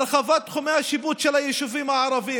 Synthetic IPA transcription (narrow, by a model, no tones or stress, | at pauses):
lxavat̪xʊmehaʃɪbuːt̪ʃɛlajɪʃuviːmaʕɑɾˤɑviː